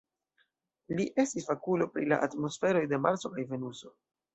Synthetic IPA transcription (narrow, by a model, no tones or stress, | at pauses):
liʔe̞stisfakulo̞pɾila̰ʔatmo̞sfe̞ɾo̞jde̞maɾt͡so̞kajve̞nuso̞